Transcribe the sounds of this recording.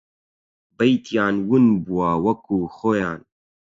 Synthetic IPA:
bɐjt̪ʰijaːnwunbuwaːwɐkuːxojaːn

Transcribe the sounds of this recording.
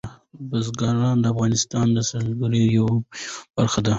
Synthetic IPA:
bazɡɑɾɑnd̪əafɣɑnɪst̪ɑnd̪əsalɡaɾijawb̥aɾxad̪a

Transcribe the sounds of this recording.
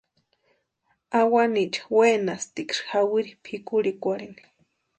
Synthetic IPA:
awanit͡ʃḁweːnast̪ikʂxawiɾipʰikuɾikʷaɽini̥

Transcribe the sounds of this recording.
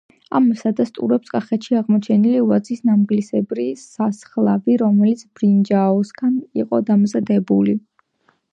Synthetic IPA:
a̰msad̪ast̪ʼṵɾɛpskʼaχɛt̪ʃiaʁmɔt͡ʃʰɛniliuvat̪sʰisnamɡlisɛbɾisasχlˠaviɾɔmɛlit̪sʰb̥ɾind͡ʒaɔsɡaniqʼɔd̪amzad̪ɛbuli

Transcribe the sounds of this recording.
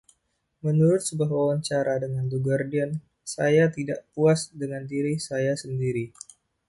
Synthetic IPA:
mənuɾʊt̪̚səbuaɦwawaɲt͡ʃaɾadəŋand̪uɡərdiən | sajat̪idaʔpuasdəŋandiɾisajasəndiɾi

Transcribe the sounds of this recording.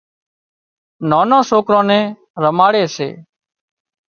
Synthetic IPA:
noːnãːsoːkɾõːnɛ̃ː | ɾəmaːɽeːsḛː

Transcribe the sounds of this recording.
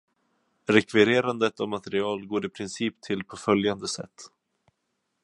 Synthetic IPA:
ɾɛkvɪɾeːɾand̪ət̪ɔvmat̪ɛɾɪɑːlɡoːɾɪpʰɾɪnsiːpt̪ʰɪlpʰɔfœljand̪əsɛ̰t̪ː

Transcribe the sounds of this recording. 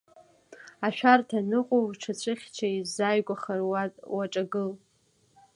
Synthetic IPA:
aʃᶣartʰanɨqʷʼowʈ͡ʂʰat͡ɕʷʰɨχʲt͡ʃʷʰaizajɡʷaχarwaʈ͡ʂʼaɡɨl

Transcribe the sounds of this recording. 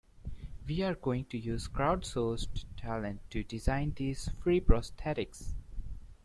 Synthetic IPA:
ʋiːaɾɡoːɪ̃ŋʈujuːzkɾaʊɖsoːsʈʰælə̃nːuɖɪzãɪ̃nd̪iːzfɾiːpɾɔst̪ʰɛɾɪks

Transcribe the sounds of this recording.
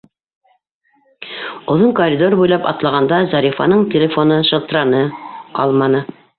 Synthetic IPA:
ŏðoɴkoɾʲid̪o̞rbujlˠɑpɑ̰t̪lˠɑʁɑnd̪ɑzɑɾʲifɑ̰nɤɴtʲɪlʲefo̞nɤʃɤ̆lˠt̪ɤ̆ɾɑnɤqɑ̰lˠmɑnɤ

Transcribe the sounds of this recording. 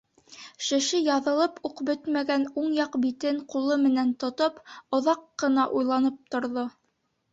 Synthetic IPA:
ʃɘ̆ʃɘjɑðɤ̆lˠɤpuqbɵt̪mæɡænuɴjɑqbit̪ɘɴqulˠɤmɘ̆nænt̪ŏt̪opŏðɑqːɤ̆nɑʔujlˠɑnɤp̚t̪ŏɾðo

